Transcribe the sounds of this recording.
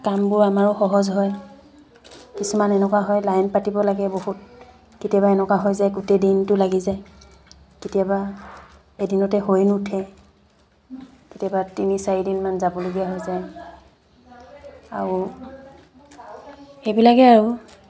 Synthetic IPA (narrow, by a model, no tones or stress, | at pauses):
kambʊɹamaɹɔxɔɦɔzɦɔj | kisumanɛnɛkwaɦɔjlajnpatibɔlaɡɛboɦut̚ | ketijabaɛnɛkwaɦojzajɡutedintʊlaɡizaj | ketijaba | edinɔtɛɦojnutʰɛ | ketijabatinisaɹidinmanzabɔloɡijaɦojzaj | aɹu | xebilakɛaɹu